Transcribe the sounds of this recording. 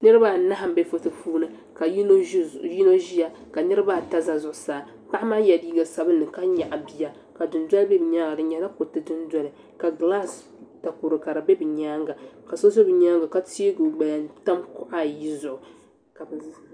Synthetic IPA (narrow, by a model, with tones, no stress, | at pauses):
nɨ˦ɾɨ˦ba˦na˦ɦa˦˨m˦be˦fʊ˦tɨ˦puː˦nɨ˦ | ka˨˦ji˦no˦ʒi˦ja˨ka˨nɨ˦ɾɨ˦ba˦˨ta˦za˨zʊ˨ʔʊ˨saː˨ | pa˦ma˦jɛ˨diː˦ɡa˨sa˨bɨ˦nːɨ˨ka˦ɲa˨ʔa˨bi˨ja˨ | ka˨dɨ˨ndʷɔ˦lbɛ˦bɨ˨ɲa˦ŋɡa˨dɨ˨ɲɛ˨la˦ko˨tɨ˦dɨ˦nda˦lɨ˨ | ka˨ɡla˦s | ta˨ku˨ɾɨ˨ka˨ɾɨ˨bɛ˦bɨ˨ɲa˦ŋɡa˨ka˨so˦zo˦bɨ˨ɲa˦ŋɡa˨ka˦ti˦e˦ɡu˨ɡ͡ba˨ja˨ta˦mkʊ˦ʔa˦˨ji˦zʊ˨ʔʊ˨ | ka˨b